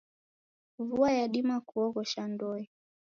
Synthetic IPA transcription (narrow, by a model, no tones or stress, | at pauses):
vuajaɗimakuɔɣɔʃandɔi